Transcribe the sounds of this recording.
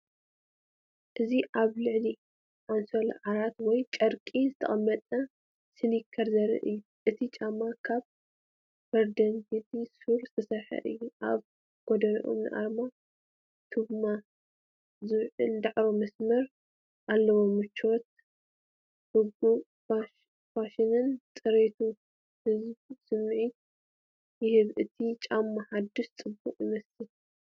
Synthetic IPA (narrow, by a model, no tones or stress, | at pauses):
ʔɨziʔaβlɨʕli | ʔansolʕaɾat̪wɔjt͡ʃʼɐɾkʼizɨt̪ʰɐ̰χʼɐmːɐt̪ʼɐ | sɨnikʰːɐɾzɐɾɨ̰ʔɨjːu | ʔɨt̪ʰit͡ʃʼamːakʰaβ | fɐɾd̪ɐnt̪it̪ʰisuɾt̪ʰɐsɐħɐ̰ʔɨ̰jːuʔa̰β | ɡ̥od̪ɐnḭʔo̰mnɨ̰ʔa̰ɾma | t̪ʰɨbma | zɨβʕɨ̰ld̪aʕɾomɐsmɐɾ | ʔalːɐwomɨt͡ʃːot̪̚ | hɨɡu | a | faʃɪnɨnt͡sʼɨɾet̪ʰu | hɨzbsɨmʕi | jɪhɨβʔɨt̪ʰit͡ʃʼamːaħad̪ːɨʃt͡sʼɨbːuqʼjɪmɐsɨl